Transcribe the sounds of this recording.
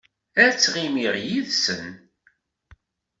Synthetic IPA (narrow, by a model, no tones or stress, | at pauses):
æt͡sːʁimiʁjiðsən